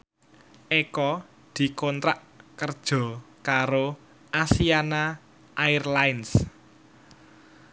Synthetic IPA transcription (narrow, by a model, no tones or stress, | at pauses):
ʔekɔ | d̪̥i̤kont̪ɾaʔ | kərd̥ʒ̥ɔ̤ | kaɾo | ʔasiana | ʔaɪrlaɪns